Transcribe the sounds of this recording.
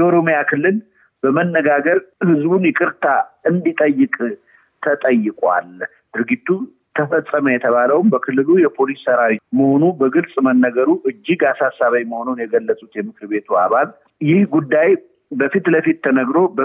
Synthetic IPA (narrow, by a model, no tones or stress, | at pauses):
jɛo̞ɾo̞mijakʰɨlːɨl | bəmənːəɡaɡəɾhɨzbunjɛkʼɨɾt̪ʰaɨnd̪it̪ʼəjːɨkʼ | t̪ʰət̪ʼəjːɨkʼwa̰l | d̪̥ɨɾɡit̪ʰːu | t̪ʰəfəsʼːəməjɛt̪ʰəβaləwmbəkʰɨlːɨlujɛpʰo̞lisːəɾawiməho̞nubəɡɨlsʼmənːəɡəɾuʔɨd͡ʒːiɡasasːaβəjməho̞nunjɛɡəlːəsʼut̪jɛmɨkɨɾbe̞t̪ʰua̰βal | jɪhɡud̪ːaj | bəfit̪ləfit̪ːʰənəɡɾo̞bə